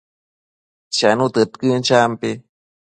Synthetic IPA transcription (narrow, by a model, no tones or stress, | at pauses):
t͡ʃanut̪ɨt̪kɨnt͡ʃampi